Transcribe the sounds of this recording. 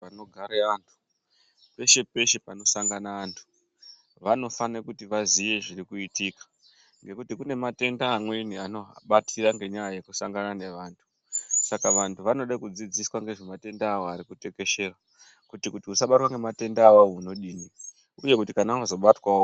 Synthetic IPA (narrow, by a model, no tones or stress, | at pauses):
ano̞ɡʱaɾeantʰu̥ | pe̞ʃe̞pe̞ʃe̞pano̞saŋɡanaːntʰu̥ | ʋano̞fanekutiʋaziʋe̞ʐirikuitikḁ | ŋɡe̞kutikune̞mate̞ndaːmwe̞nianoɦa̰ɓatʰiraŋɡe̞ɲajajekusaŋɡanane̞ʋaːntʰu̥ | sakaʋantʰuʋano̞ɗakud͡zid͡ziswaŋɡe̞ʐe̞mate̞ndaːwo̞aɾikute̞ke̞ʃe̞ra | kutikutiusaɓatwaŋɡe̞mate̞ndaːwauno̞ɗini | uje̞kutikanaazo̞ɓatwao